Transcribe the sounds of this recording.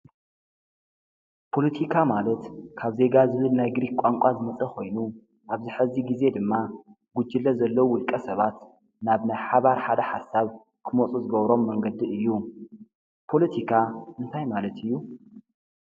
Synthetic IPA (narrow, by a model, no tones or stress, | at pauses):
pʰo̞lɐt̪ʰikʰamalɐt̪kʰaβze̞ɡazɨβɨlnajɡɾikkʷʼaŋkʷʼazɨmɐt͡sʼɐkʰo̞jnu | ʔaβzɨħɨziɡize̞d̪ɨmːa | ɡ̥ud͡ʒɨlːɐzɐlːɐwuwʊlkʼɐsɐβat̪ | naβnajħaβaɾħad̪ɐħa̰sːaβ | kʰɨmot͡sʼuzɨɡɐβɾo̞mːɐŋɡɐd̪iɨjːu | pʰo̞lɐt̪ʰikʰaʔɨnt̪ʰajmalɐt̪ʰɨjːu